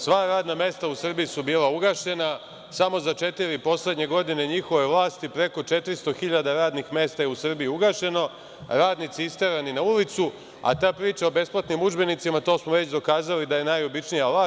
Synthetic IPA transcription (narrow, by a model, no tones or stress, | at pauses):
sʋaɾaːd̪name̞ːst̪ausr̩bijisubiːlˠauɡaːʃe̞na | samo̞zat͡ʃe̞t̪iɾipo̞sle̞d̪ɲe̞ɡo̞d̪ine̞ɲixo̞ʋe̞ʋlˠaːst̪ipɾe̞ko̞t͡ʃe̞t̪ɾist̪o̞xiʎad̪aɾaːd̪nixme̞ːst̪ajeusr̩bijiuɡaːʃe̞no̞ | ɾaːd̪nit̪siist̪eɾaninaulit̪su | a̰t̪aːpɾiːt͡ʃaobe̞splˠat̪nimud͡ʒbe̞nit̪simat̪o̞ːsmoʋe̞t͡ɕd̪o̞kaːzalid̪aje̞najo̞bit͡ʃnijaʋlaː